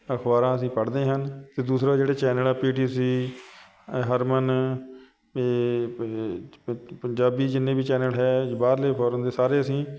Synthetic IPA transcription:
əkʰbaːɾãːəsĩːpəɽd̪eːɦənt̪eːd̪uːsɾaːd͡ʒeːɽeːt͡ʃɛːnəlaːpiːʈiːsiː | ɦəɾmən | pəɲd͡ʒaːbiːd͡ʒɪnːeːbiːt͡ʃɛːnəlɦɛːbaːɾleːpʰɔːɾənd̪eːsaːɾeːəsĩː

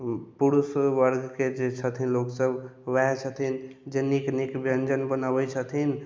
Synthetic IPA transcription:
puɾusʋəɾɡked͡ʒet͡ʃʰət̪ʰinloksəbʋɛ̃t͡ʃʰət̪ʰind͡ʒeniknikbɾənd͡ʒənbənabət͡ʃʰət̪ʰin

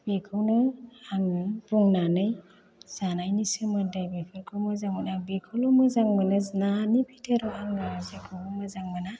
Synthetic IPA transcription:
b̥ekʰɯwnɯaŋɯb̥uŋnanɯj | z̥anajnisɯmɯdajbipʰɯɾkʰɯwmɯzaŋmɯnabikʰɯwlɔmɯzaŋmɯnɯznanipʰitʰeɾɔaŋɡɯzekʰɯwɔmɯzaŋmɯna

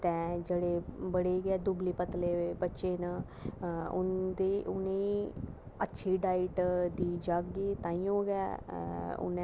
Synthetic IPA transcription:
t̪ɛ̃ːd͡ʒeːɽeːbəɽeːɡɛːd̪ʊbliːpət̪leːbətːʃeːnə | ʊ̰nd̪eʊne | ətːʃʰiːɖaːɪʈd̪iːd͡ʒaːkɡiːt̪ãːĩːõːɡɛ̰ː | ʊ̰n

